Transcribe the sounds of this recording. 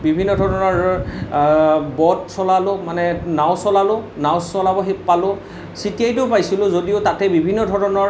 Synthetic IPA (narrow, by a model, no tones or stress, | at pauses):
bibʱinːɔdʱɔɹɔnɔɹ | bɔtsɔlalʊmanɛnaʊ̃sɔlalʊnaʊ̃sɔlabɔɦepalʊ | sitijajtʊpajsilʊ̃zodiʊtatɛbibʱinːɔdʱɔɹɔnɔɹ